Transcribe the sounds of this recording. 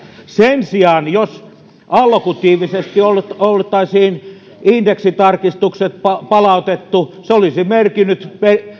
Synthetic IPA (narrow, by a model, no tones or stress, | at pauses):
sensiɑˑnjos | ɑlkut̪iːʋisest̪ioltolt̪ɑisiːn | indeksit̪ɑrkist̪ukset̪pɑpɑlɑut̪et̪ːuseolisimerkinːyt̪pe